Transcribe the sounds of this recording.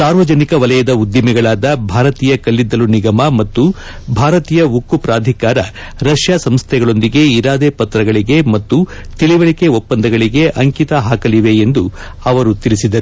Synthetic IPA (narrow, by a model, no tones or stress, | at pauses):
saːɾʋɐd͡ʒɐnikɐʋɐlɛjɐd̪ɐud̪jimɛɡɐɭaːd̪ɐbʱaːɾɐt̪iːjɐkɐlːid̪ːɐluniɡɐmɐmɐt̪ːu | bʱaːɾɐt̪iːjɐukːupɾaːd̪ʱikaːɾɐ | ɾɐʂjaːsɐmst̪ʰɛɡɐɭo̞nd̪iɡe̞iɾaːd̪epɐt̪ɾɐɡɐɭiɡe̞mɐt̪ːu | t̪iɭiʋɐɭikeopːɐnd̪ɐɡɐɭiɡe̞ʔɐŋkit̪ɐɦaːkɐliʋe̞ːnd̪u | ɐʋɐɾut̪iɭisid̪ɐɾu